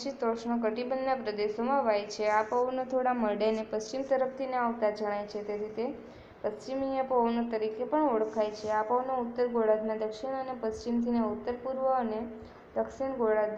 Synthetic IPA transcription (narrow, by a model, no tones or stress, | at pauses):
ʃit̪oʃɳok̬əʈibənːapɾəd̪eʃomãʋajt͡ʃʰeapəʋnot̪ʰoɽaməɖenepəst͡ʃimt̪əɾəpt̪ʰineaʋt̪ad͡ʒəɽ̃ajt͡ʃʰet̪eɾʰit̪e | pəst͡ʃimijəpəʋnot̪əɾikepəɳoɽkʰajt͡ʃʰeapəʋnout̪ːəɾɡoɽad̪nad̪əkʃiɽ̃ənepəst͡ʃimt̪ʰineut̪ːəɾpuɾʋəəne | d̪əkʃiɳɡoɽad̪